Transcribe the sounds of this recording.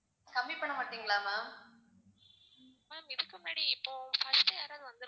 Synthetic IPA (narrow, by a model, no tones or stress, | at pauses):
kɐmbipɐɳːɐmaːʈːiːŋɡɐɭaːmaːm | maːmɪðɯkːɯmʊnaːɽiɪpːoːfɐsʈːɐjaːɾaːðɯʋɐnd̪ɯɾ